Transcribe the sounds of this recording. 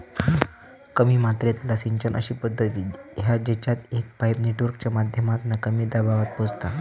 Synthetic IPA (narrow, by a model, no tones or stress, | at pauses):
kəmiːmat̪ɾet̪lasiɲt͡ɕənʔə̰ɕiːpəd̪ʱːət̪iːɦjad͡ʑet͡ɕat̪ek̚pajpneʈʋəɾkt͡ɕjamad̪ʱjəmat̪nakəmiːd̪abaʋat̪̚pod͡zt̪a